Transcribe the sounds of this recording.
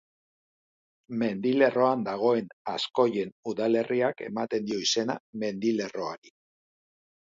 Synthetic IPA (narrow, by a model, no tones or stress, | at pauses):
me̞nd̪ile̞ro̞and̪aɣ̞o̞e̞nasko̞je̞nuðale̞rʔiake̞̰mat̪e̞nd̪io̞ise̞na̰me̞nd̪ile̞ro̞aɾi